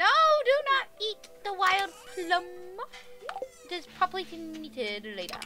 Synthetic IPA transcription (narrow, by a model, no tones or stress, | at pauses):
noʊdɨnətit̪̚ðəwaɪlˠd̚pʰlʌ̃m | dɪz̥pʰɹ̥ɑbəblikʰɨ̃nitɪdleɪɾə̰˞